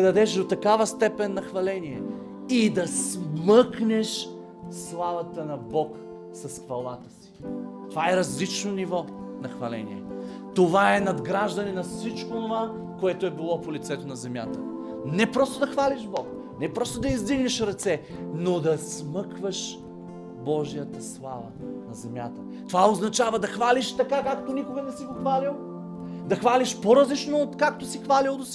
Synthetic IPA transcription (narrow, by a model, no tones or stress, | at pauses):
ɛd̪ɐd̪ɛʃd̪ot̪ɐkavəst̪ɛpɛnːɐxvɐlɛniɛ | id̪ɐsmɤknɛʃ | slˠavɐt̪ənɐbɔk | sɐsxvɐlˠat̪ə̥si̥t̪ovaɛɾɐzlit͡ʃnonivɔnɐxvɐlɛ̰nḭɛ̰ | t̪ovaɛnɐd̪ɡɾaʒd̪ɐnɛnɐfsit͡ʃkoːnova | koɛt̪oɛbilˠɔpolit̪sɛt̪onɐzɛmja̰t̪ə | nɛpɾɔst̪od̪ɐxvaliʃbɔk | nɛpɾɔst̪od̪ɐizd̪iɡnɛʃɾɐt̪sɛnod̪ɐsmɤkvəʃ | bɔʒijət̪əslˠa̰vənɐzɛmja̰t̪ə | t̪ovaoznɐt͡ʃavɐd̪ɐxvaliʃt̪ɐkakak̚t̪onikoɡɐnɛsiɡoxvalilˠ | d̪ɐxvaliʃpoɾəzlit͡ʃnoːt̪kak̚t̪osixvalilˠd̪osi